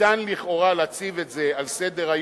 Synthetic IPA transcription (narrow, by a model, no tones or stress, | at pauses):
anliχo̞ʁalat͡sivetzealsed̪e̞ʁaj